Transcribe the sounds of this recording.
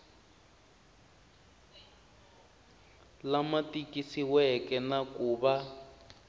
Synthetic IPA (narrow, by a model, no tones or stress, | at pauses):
lamatikisiwɛkɛnakuːβa